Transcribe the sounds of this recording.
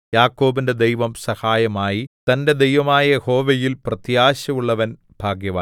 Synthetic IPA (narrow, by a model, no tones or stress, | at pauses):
jaːkːo̞ːbinde̞d̪ejʋɐmsɐhaːjɐmaːjit̪ɐnde̞d̪ejʋɐmaːjɐeho̞ːʋejilprɐt̪jaːɕɐmuɭːɐʋɐn | b̥ʱaːɡjɐʋaː